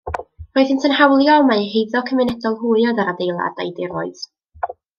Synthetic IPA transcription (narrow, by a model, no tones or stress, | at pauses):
roːɨðhɪntʰənhawlˠjɔmahejðɔkʰəmɪnɛdɔlˠɦuɨɔðaɾadejlˠa̰da̰jdɪɾoɨð̥